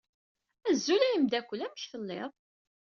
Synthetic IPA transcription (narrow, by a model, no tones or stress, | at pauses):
æzːulæjəmd̪ækʷːəlæməçθəlːɪ̰ðˤ